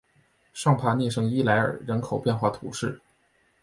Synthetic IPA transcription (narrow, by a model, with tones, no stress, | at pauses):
ʂɑ˥˧˩ŋpʰa˥˧njɛ˥˩ʂɤ˧˥ŋi˥la˧˥ɪə̰˞˨˩ɻə˧˥nkʰo˨˩ʊpjɛ˥˧nxwa˥˩t̪ʰṵ˨˥ʂɻ̩˥˩